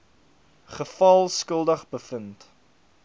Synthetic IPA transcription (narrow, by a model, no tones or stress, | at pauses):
χəfɐlˠskəlˠdəχbəfənt